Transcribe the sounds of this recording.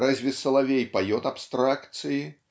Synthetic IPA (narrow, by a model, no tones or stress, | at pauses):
ɾazʲvʲisːɐlˠavʲejpajɔt̪apst̪ɾakt̪sɨji